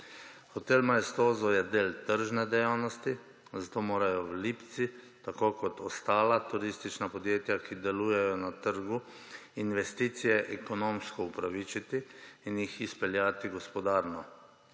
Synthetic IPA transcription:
xɔt̪elmaɛst̪oːzɔjɛd̪eːlt̪əɾʒnɛd̪ɛjawnɔst̪i | zat̪oːmoːɾajɔwliːpt̪sit̪akoːkɔt̪ɔst̪aːlat̪uɾist̪it͡ʃnapɔd̪jeːt̪jakʰid̪ɛluːjɛjɔnat̪əɾɡu | inʋɛst̪iːt̪sijɛʔɛkɔnoːmskɔupɾaʋit͡ʃit̪iːnjixispɛljaːt̪iɡɔspɔd̪aːɾnɔ

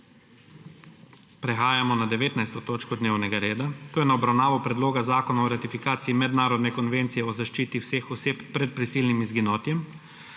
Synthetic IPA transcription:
pɾɛxaːjamɔnad̪ɛʋeːt̪najst̪ɔt̪oːt͡ʃkɔd̪neːwnɛɡaɾeːd̪at̪oːjɛnaɔbɾawnaːʋɔpɾɛd̪loːɡazaːkɔnaɔɾat̪ifikaːt̪siimɛd̪naːɾɔd̪nɛkɔnʋent̪sijɛɔzaʃt͡ʃiːt̪iwsexɔseːppɾɛt̪̚pɾisiːlnimizɡinɔːt̪jɛm

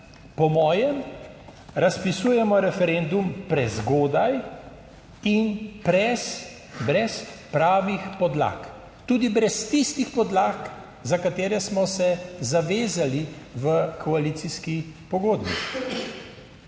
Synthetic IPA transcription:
pɔmɔːjɛm | ɾaspisuːjɛmɔɾɛfɛɾend̪umpɾɛzɡoːd̪aj | inpɾɛs | bɾɛspɾaːʋixpɔd̪la̰ːk | t̪uːd̪ibɾɛst̪ist̪ixpɔd̪laːk | zakat̪eːɾɛsmɔsɛzaʋeːzaliʋəkʰɔaliːt̪iskipɔɡoːd̪bḭ

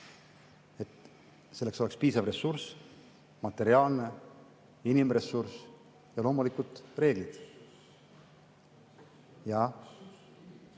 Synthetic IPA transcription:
e̞t̪ | se̞lːe̞kso̞le̞kspiːsɑvre̞surs | mɑt̪ːe̞ɾiɑːlne̞ | inimresurs | jɑlo̞ːmulikult̪re̞ːɡlid̪̥ | jɑ

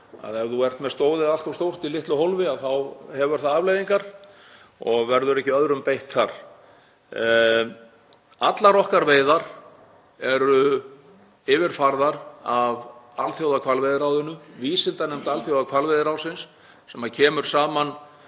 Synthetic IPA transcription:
a̰ðɛɾðuɛr̥t̪mɛðst̪oːwðɪðal̥t̪avst̪owr̥t̪ilɪht̪lʏɦowlvɪaðθawhɛvɛɾ̥θaaːvlejðiŋkaɾ̥ | ɔɣvɛɾðʏɾɛhcɪœðɾʏmpejht̪θaɾ̥ | at̪laɾɔhkaɾveːjðaɾ̥ | ɛɾʏ | ɪːvɪɾfaɾðaɾavalθjowðakʰvalvejðɪɾawðʏnːʏviːsɪnt̪anɛmt̪alθjowðakʰvalvejðɪɾawsɪnsː | ɛmaðcʰɛːmʏɾ̥saːman

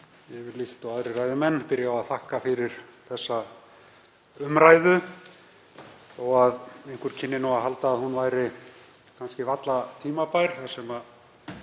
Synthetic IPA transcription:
jɛvɪɾliht̪ɔaðɾɪraːjðɪmɛnːpɪɾjaaðθahkafɪɾɪɾ̥θɛsːa | ʏmɾaːjðʏ | ɔɣaðejhŋ̥kʏɾ̥cʰɪnːɪnuwaɦalt̪aːðhunvajɾɪkʰanscɪvat̪lat̪ʰiːmapajɾ̥asɛma

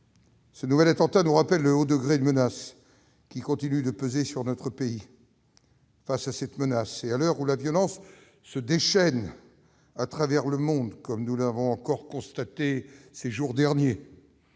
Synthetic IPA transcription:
sənuvɛlat̪ɑ̃t̪anuʁapɛlːəod̪əɡʁed̪mənas | kʲikɔ̃t̪inyd̪əpøzesyʁnɔt̪χəpei | fasasɛt̪mənasealœʁulavjɔlɑ̃sː | əd̪eʃɛn | at̪χavɛʁləmɔ̃d̪kɔmnulavɔ̃ɑ̃kɔʁkɔ̃st̪at̪eseʒuʁd̪ɛʁnje

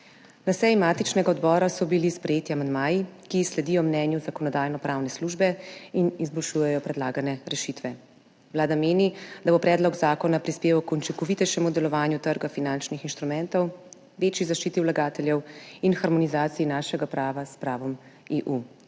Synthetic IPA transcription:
nasɛjimaːt̪it͡ʃnɛɡaɔd̪bɔːɾasɔbilispɾɛjeːt̪iamand̪maːjikislɛd̪ijɔmnɛːnjuzakɔnɔd̪aːjnɔpɾaːwnɛsluːʒbɛinizbɔlʃuːjɛjɔpɾɛd̪laːɡanɛɾɛʃit̪ʋɛ | wlaːd̪ameːnid̪abopɾɛːd̪lɔɡzaːkɔnapɾispeːʋawkɔnt͡ʃikɔʋit̪ɛʃɛmud̪ɛlɔʋaːnjut̪əɾɡafinant͡ʃnixinʃt̪ɾumɛnt̪ɔw | ʋeːt͡ʃjizaʃt͡ʃiːt̪iwlaɡaːt̪ɛljɛwinxaɾmɔnizaːt̪sijinaːʃɛɡapɾaːʋaspɾaːʋɔm | eːʔu

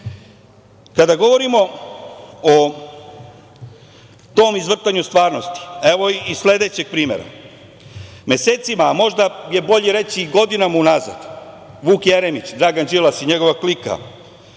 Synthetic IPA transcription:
kad̪aɡo̞ʋo̞ɾimo̞ | o | t̪o̞ːmizʋr̩t̪aɲust̪ʋaːɾno̞st̪i̥e̞ʋo̞isle̞d̪e̞t͡ɕeɡ̥̚pɾiːme̞̰ɾa̰ | mje̞se̞ːt̪simamo̞ʒd̪aje̞bo̞ʎeɾe̞siɡo̞d̪inamaunaza̰d̪ | ʋuːkjeɾemit͡ɕd̪ɾaɡand͡ʒilasiɲeɡo̞ʋaklika̰

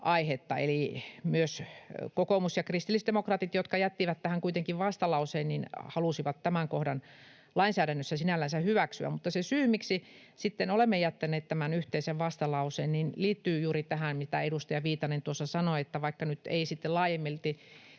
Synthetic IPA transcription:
ʔɑihet̪ːɑ̰ḛlimyøskokomusjɑkrist̪ilːˑisd̪emokrɑːt̪it̪jot̪kɑjæt̪ːiʋæt̪t̪æhæŋkuit̪eŋkiʋʋɑst̪ɑlɑuseːnninhɑlusiʋɑt̪t̪ːæmæŋkohdɑn | lɑinsæːɾænːøsːæsinælːænsæhyʋæksyæ̰mut̪ːɑsesyːmiksi | sit̪ːenolemːejæt̪ːæneːt̪t̪æmænyht̪eiseʋʋɑst̪ɑlɑuseːnninliːt̪ːyːjuːrit̪æhænmit̪æeɾust̪ɑjɑʋiːt̪ɑnent̪uosːɑsɑnoet̪ːæʋɑikːɑnyt̪ḛisit̪ːelɑːjemːelt̪i

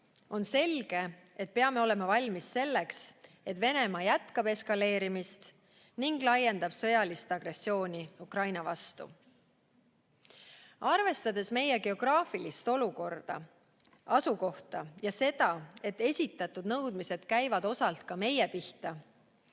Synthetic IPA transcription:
o̞nse̞lɡ̥e̞ | e̞t̪̚pe̞ɑme̞o̞le̞mɑvɑlʲmisːe̞lːe̞ks | e̞t̪ve̞ne̞mɑjæt̪kɑb̥e̞skɑle̞ːɾimist̪ | niŋɡ̥lɑjːe̞nd̪ɑb̥sɤjɑlist̪ɑɡ̥re̞sːio̞ːnʲiukrɑjnɑvɑst̪ṵ | ɑrve̞st̪ɑd̪e̞sme̞jeɡe̞o̞ɡ̥rɑːfilist̪o̞luko̞rd̪̥ɑ̰ | ɑsuko̞ht̪ɑjɑse̞d̪̥ɑe̞t̪ːˑe̞sʲit̪ːˑɑt̪ːˑud̪nɤwd̪̥mise̞d̪̥kæjvɑd̪o̞sɑlt̪kɑme̞jepiht̪ɑ

